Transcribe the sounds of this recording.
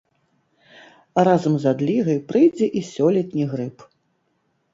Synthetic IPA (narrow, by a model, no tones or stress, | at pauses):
ɾazɐmzad̪lʲiɣɐjpɾɨjd͡zʲɛʔisʲɔlʲɛt̪nʲiɣɾɨp